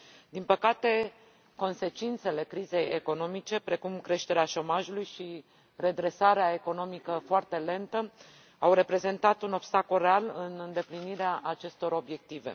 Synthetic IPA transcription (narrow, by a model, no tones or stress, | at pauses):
d̪inpəkat̪e̞ | ko̞nse̞t͡ʃint̪se̞le̞kɾize̞jeko̞no̞mit͡ʃe̞pɾe̞kumkɾe̞ʃt̪e̞ɾeaʃo̞maʒulujʃi | re̞d̪ɾe̞saɾeae̞ko̞no̞mikəfoart̪e̞le̞nt̪ə | awre̞pɾe̞ze̞nt̪at̪uno̞bst̪akolrealɨnɨnd̪e̞pliniɾeaʔat͡ʃe̞st̪o̞ɾo̞bje̞k̚t̪ive̞̰